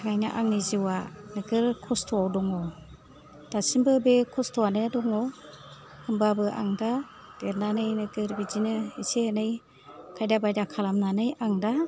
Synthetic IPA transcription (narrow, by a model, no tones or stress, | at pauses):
aŋajnaʔaŋniziwanɯɡɯɾkʰɔstʰuawdɔŋɔ | d̥asimbɯbekʰɔstɔanɯdɔŋɔ | ɯmbabɯʔa̰ŋda | ɡ̥eɾnanɯjnɯɡɯɾbid͡ʒinɯisenɯj | kʰajdabajdakʰalamnanɯjaŋda